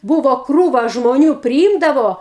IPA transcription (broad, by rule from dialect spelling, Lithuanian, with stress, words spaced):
ˈbuːʋoː ˈkruːʋɐ ʒmoːˈnʲuː pʲrʲɪˈiːmdɐʋoː